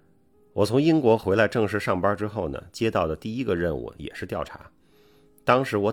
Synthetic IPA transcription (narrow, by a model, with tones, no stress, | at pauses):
wɔ˨˩t͡sʰʊ˧˥ŋi˥nkwɔ˧˥xwe˧˥ɪla˧˥ɪʈ͡ʂɤ˥˧ŋʂɻ̩˥˧ʂɑ˥˩ŋpɐ˥ʈ͡ʂɻ̩˥xo˥˩ʊnə̰˩t͡ɕjɛ˥t̪ɑ˥˩ʊd̪ə˩t̪i˥˩i˥ɡə˧ɻə˥˧nṵ˥˩jɛ̰˨˩ʂɻ̩˥˧t̪jɑ˥˩ʊʈ͡ʂʰa̰˧˥ | t̪ɑ˥ŋʂɻ̩˧˥wɔ˧˥